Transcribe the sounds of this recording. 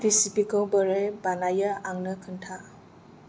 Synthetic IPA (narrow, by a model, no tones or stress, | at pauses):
tisipikɔwbəɾejbanajəaŋnɯkʰɯntʰa